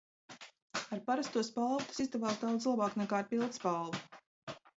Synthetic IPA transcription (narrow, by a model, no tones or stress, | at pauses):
aɾpaɾast̪uɔspalˠt̪u̥sizd̪avaːzd̪awt̪slˠabaːknɛkaːɾpilˠt̪spalˠvu